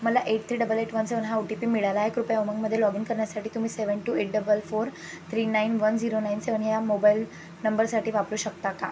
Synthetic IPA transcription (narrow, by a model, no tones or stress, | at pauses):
məlaʔeʈ̚t̪ʰɾiːɖəbəleʈʋənseʋənɦaoʈipiːmiɭalaːɦekɾupjaoməŋɡməd̪ʱːjelɔɡiŋkəɾɳjasaʈiːt̪um̤iːseʋəɳʈuːeʈ̚ɖəbəlfoɾ | t̪ʰɾiːnainʋənd͡ziɾonainseʋənɦjamobail | nəmbəɾsaʈiːʋapɾuːɕək̚t̪aka